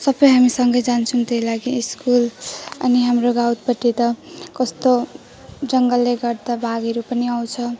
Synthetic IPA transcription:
sʌbʌjɦamisʌŋɡʌjd͡zant͡sʰʌũt̪ejlaɡiːskulʌ̰niɦamroɡawt̪pʌʈːit̪ʌkʌst̪o | d͡zʌŋɡʌlːeɡʌrd̪abʱaɡʌɾupʌniaw̃t͡sʰʌ

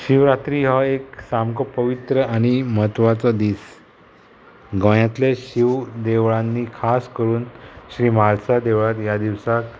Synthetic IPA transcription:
ɕiʋɾat̪ɾiɦɔeksamkɔpəʋit̪ɾəañiməɦət̪ʋat͡sɔd̪iːs | ɡə̃jat̪leɕiʋd̪eʋɭãnːiːkʰaskəɾuːnɕɾiːmalsad̪eʋɭat̪jad̪iʋsak

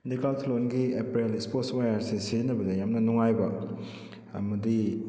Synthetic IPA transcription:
dikaltʰlonɡiepɾeleksposwajaɾsiseznɐbɐdɐjamnɐnuŋajbɐ | ɐmɐdi

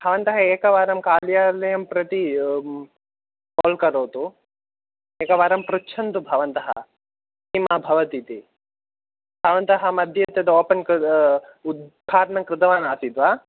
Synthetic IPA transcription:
bʱɐʋɐnt̪ɐɦɐeːkɐʋaːɾɐmkaːljaːlɐjɐmpɾɐt̪i | koːlkɐɾoːt̪u | eːkɐʋaːɾɐmpɾut͡ʃʰɐnt̪ubʱɐʋɐnt̪ɐɦɐ̰ | simabʱɐʋɐt̪it̪i | bʱɐʋɐnt̪ɐɦɐmɐd̪ʱjɐt̪jɐd̪ɐoːpɐnk | ud̪̚bʱaːɾnɐmkɾɪd̪ɐʋaːnaːsid̪ʋaː

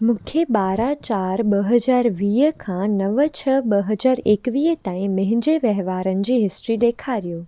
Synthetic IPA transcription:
mũːkʰeɓaːɾat͡ɕaːɾɓɐɦɐzaːɾʋiːɦəkʰãnɐʋət͡ɕʰɐɓɐɦɐzaːɾeːkʋiːɦət̪ãːĩmɐ̃ɦɪ̃ɲd͡ʑeʋɐɦʋaːɾənɪ̆d͡ʑiːɦɪsʈɾiɗ̪eːkʰaːɾijoː

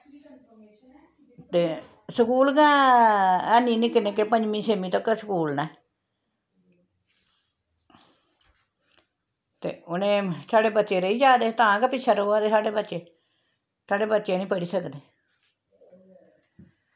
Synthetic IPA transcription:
t̪eː | səkuːlɡãː | ɛːnĩːnĩːkɪneːk̬epəɲd͡ʒmĩːseːmĩːt̪əksəkuːlnɛː | t̪ḛːʊnẽːsaːɽeːbət̪ːʃeːɾəiːd͡ʒaːd̪eːt̪ãːkɛpɪʃʰəɾoːaːd̪eːsaːɖeːbətːʃeː | saːɖeːbət̪ːʃeːnĩːpəɽiːsəkd̪eː

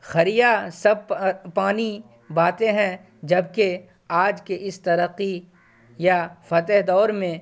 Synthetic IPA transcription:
xɐɾijasɐb̚ppaːni | baːt̪ẽɦɛ̃ | d͡ʒɐb̚ke | aːd͡ʒkeʔɪst̪ɐɾəqːi | jafɐt̪əɦd̪ɔːɾmẽ

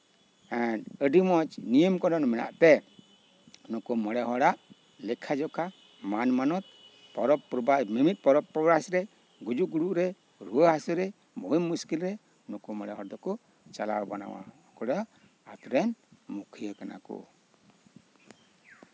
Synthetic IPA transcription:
ɛnəɖimɔt͡ʃnijəmkɔnɔnmɛna̰ʔt̪ɛ | nɔkɔmɔɽɛɦɔɽaʔ | lɛkʰad͡ʒɔkʰa | manmanɔt̪̚ | pɔɾɔpɾɔbamimit̪̚pɔɾɔpːɾɔbasɾɛ | ɡud͡ʒuʔɡuɽuʔɾɛ | ɾuwəɦasuɾɛ | mɔɦimːuskilɾɛ | nɔkɔmɔɽɛɦɔɾd̪ɔkɔ | t͡ʃalawbana̰wa̰ɔkɔɽɔ | at̪ɾɛnmukʰijakana̰kɔ̰

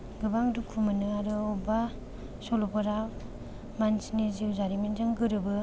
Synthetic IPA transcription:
ɡɯbaŋdukʰumɯnɯaɾɯɔba | sɔlɔpɔɾa | mansniziwzaɾiminzaŋɡɯɾɯbɯ

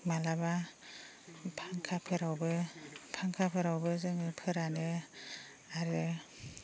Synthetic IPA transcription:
malaba | pʰaŋkʰapʰɯɾawbɯpʰaŋkʰapʰɯɾawbɯzɯŋɯpʰɯɾanɯ | aɾɯ

